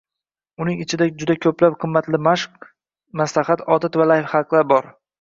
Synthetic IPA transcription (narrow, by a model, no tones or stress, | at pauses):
ʊnɪŋɪt͡ʃʰɪd̪ad͡ʒʊd̪akʲʰɵplap̚qʰɨmːat̪lɪmaʃq | maslaχat̪ɒt̪ʰat̪valajfχɑqlˠaɾbɒɾ